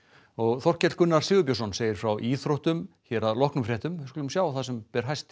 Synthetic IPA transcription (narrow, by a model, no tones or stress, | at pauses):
ɔɣθɔr̥cɛt̪l̥kʏnːaɾ̥sɪːɣʏpjosɔnseːjɪɾ̥fɾawʔiːθɾowht̪ʏmçɛɾaðlɔhknʏmfɾɛːht̪ʏmkːlʏmsjaːwθasɛmpɛɾ̥ɦajst̪